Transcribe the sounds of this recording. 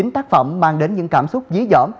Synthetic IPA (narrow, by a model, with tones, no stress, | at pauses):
i˨˦ŋt̪aː˦˥k̚fə̰˧˨wŋ͡mmaː˧ŋɗe˨˦nɲɨ̰˧˥ŋkaː˧˩msʊ˦˥k͡p̚zi˨˦əzɔ̰˧˩m